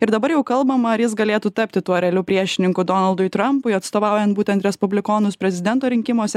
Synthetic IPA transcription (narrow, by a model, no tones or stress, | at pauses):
ɪɾd̪ɐbɐɾjɛʊkɐlˠbɐmɐɐɾjɪsɡɐlʲeːt̪uːt̪ɐpʲt̪ʲɪt̪uɔɾʲɛːlʲʊpʲɾʲiɛʃʲɪnʲɪŋkʊd̪oːnɐlˠd̪ʊɪt̪ɾɐmpʊjɐt̪st̪oːʋɑˑʊjɛnt̪̚buːt̪ʲɛnt̪ɾʲɛspʊbʲlʲɪkoːnʊspʲɾʲɛzʲɪd̪ʲɛnt̪oːɾʲɪŋʲkʲɪmoːsʲɛ